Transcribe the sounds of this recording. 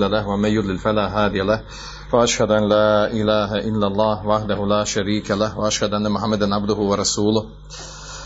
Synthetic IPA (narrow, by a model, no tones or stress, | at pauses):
lːalahwɐmanjʊd̪ˤlɪlfalaːɦaːd̪ɪjalah | waʔaʃhɐd̪ʊanlaːʔɪlaːɦaʔɪlːɐlˤːɑːhwaħd̪ɐɦʊlaːʃaɾiːkalahwaaʃhɐd̪ʊʔanːɐmʊħamːɐd̪anʕab̚d̪ʊɦʊwɐɾˤɑsuːlʊh